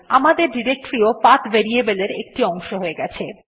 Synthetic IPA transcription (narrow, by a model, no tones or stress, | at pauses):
amad̪eɾɖiɾek̚ʈɾiopat̪beɾiebeleɾek̚ʈiɔŋʃoɦoeɡɛt͡ɕʰe